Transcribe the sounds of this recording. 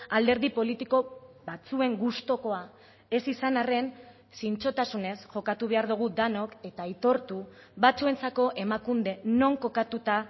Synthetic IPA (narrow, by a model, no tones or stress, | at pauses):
ald̪e̞ɾðipo̞lit̪iko̞βat͡sue̞ŋɡust̪o̞ko̞a | e̞sisanare̞n | sint͡ʃo̞t̪asune̞sʝo̞kat̪uβe̞aɾðuɣ̞ud̪ano̞ke̞t̪ait̪o̞ɾt̪u | βat͡sue̞nt͡sako̞ʔe̞makund̪e̞no̞ŋko̞kat̪ut̪a